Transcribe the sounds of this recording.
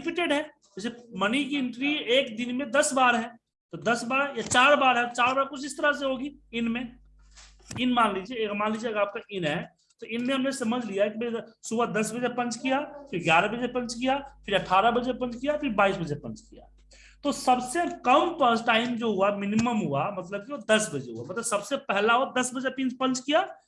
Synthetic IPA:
ɪpɪʈeːɖɦɛ̃ː | ɐsemɐnikiɪ̃ɳʈɾieːkd̪ɪnmẽd̪ɐsbaːɾɦɛ̃ː | t̪od̪ɐsbaːɾjat͡ʃaːɾbaːɾɦɛ̃t̪t͡ʃaːɾbaːɾkʊt͡ʃʰɪst̪əɾas̬eɦoːɡiɪnmẽ | ɪnmãːnliːd͡ʒieɡmaːnliːd͡ʒieɐɡəɾaːp̚kaʔɪnɦɛ | t̪oɪnmẽɦɐmnesɐməd͡ʒʱlijaɛkimsubəd̪ɐsbəd͡ʒepɐ̃nt͡ʃkijapʰɪɾɡʲjaːɾabəd͡ʒepɐ̃nt͡ʃkijapʰɪɾəʈʰːaːɾabəd͡ʒepɐ̃nt͡ʃkijapɪɾbaːisbəd͡ʒepɐ̃nt͡ʃkija̰ | t̪osɐbsekəmpəsʈaːɪmd͡ʒoɦʊamɪniməmɦuamɐt̪ləb̚kiod̪ɐsbɐd͡ʒḛɦuamɐt̪ləbsɐbsepɛɦlaɦod̪ɐsbəd͡ʒepĩːnt͡ʃpɐ̃nt͡ʃkija

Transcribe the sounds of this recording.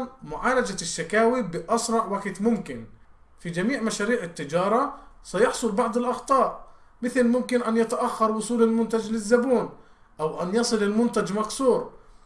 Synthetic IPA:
nmʊʕaːlad͡ʒaʃːakaːwibɪʔɑsɾˤɑʕwaɡt̪mʊmkɪn | fid͡ʒamiːʕmaʃaːɾiːʕɪt̪ːɪd͡ʒɑːɾˤɑsajɑħsˤʊlbɑʕd̪ˤɪlʔɑxt̪ˤɑːʔ | mɪθɪlmʊmkɪnʔanjat̪aʔaxːɑɾˤwʊsˤuːlɪlmʊnt̪ad͡ʒlɪzːabuːn | ʔawʔanjɑsˤɨlɪlmʊnt̪ad͡ʒmaksuːɾ

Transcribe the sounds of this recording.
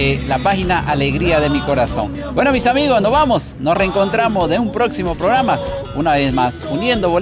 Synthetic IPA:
elapaxinaʔaleɣɾiaðemiko̞ɾaso̞̰ŋ | bwe̞nomisamiɣosnozβamos | nosreŋko̞nt̪ɾamozðeumpɾo̞ksimo̞pɾoɣɾama | unaβezmasunje̞nd̪oβo

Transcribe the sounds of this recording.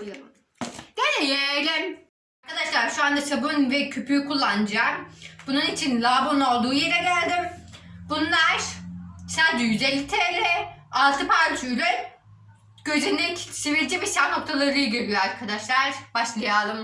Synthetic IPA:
d̪̥enɛjɛjlʲɛm | aɾkʰad̪aʃlˠaɾʃuand̪at͡ʃʰabɯnvɛcʰøpʰykʰulˠːand͡ʒamb̥ununit͡ʃʰinlʲˠabono̞lˠd̪uːje̞ɾɛlʲæɾd̪ɪmbunlˠaɾ̥sad̪jyzelʲt̪ʰɛlʲɛalˠt̪ʰɯpʰaɾt͡ʃʰylʲøn | ɟ̥øzenɛct͡ʃʰeviɾd͡ʒɛbiʃano̞k̚t̪ʰalˠaɾɯjɟelijoaɾkʰad̪aʃlˠaɾ̥baʃlˠɯjalˠɯm

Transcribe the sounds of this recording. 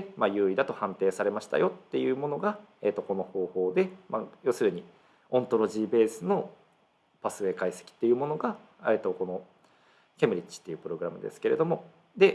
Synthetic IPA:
emajɯ̟ːid̪at̪o̞hãnt̪e̞ːsaɾe̞maɕi̥t̪a̰jo̞t̪ːe̞jɯ̟ːmo̞no̞ɡaet̪ːo̞ko̞no̞ho̞ːho̞ːd̪e̞majo̞sɨɾɯ̟ɲ̟i | õ̞nt̪o̞ɾo̞ʑiːbe̞ːsɨno̞ | pasɨe̞ːkaise̥kʲi̥t̪ːe̞jɯ̟mo̞noɡa | et̪o̞ko̞no̞ | kʲemɯ̟ɾʲit͡ɕːi̥t̪ːe̞jɯ̟ːpɯ̟ɾo̞ɡɯ̟ɾamɯ̟d̪esɨ̥ke̞ɾe̞̰d̪o̞mo̞ | d̪e̞

